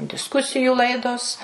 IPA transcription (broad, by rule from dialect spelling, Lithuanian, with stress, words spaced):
dʲɪsˈkʊsʲɪjuː ˈlˠɐɪdoːs